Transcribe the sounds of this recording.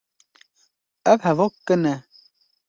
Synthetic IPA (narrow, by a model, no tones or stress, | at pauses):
əpʰavɔkːənɛ